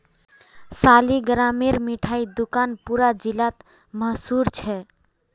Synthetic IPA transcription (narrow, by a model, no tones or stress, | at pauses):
saliɡɾameɾmiʈʰaid̪ukanpuɾad͡ʒilat̪ | məɦsuɾt͡ʃʰɛ